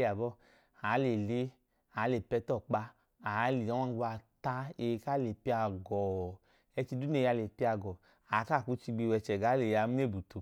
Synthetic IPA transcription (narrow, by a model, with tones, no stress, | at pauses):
ja˨bɔ˦˨ | a˨˦le˨le˦ | a˨˦le˨pɛ˧˦tɔ˦˨k͡pa˧ | a˨˧˦li˨ɔ˨˦a˦˧˦ɡu˧a˧ta˧e˧˨˧ka˦le˨pi˧˦a˧˨ɡɔ˨ | ɛ˧t͡ʃi˧˦du˦ne˦˧˨a˧le˨pi˦a˧ɡɔ˨ | a˨˦ka˦˨ku˨˧˦t͡ʃi˧ɡ͡bi˧wɛ˧˨t͡ʃɛ˨ɡa˨˦le˨ja˧˦m˦e˦˨bu˨tu˨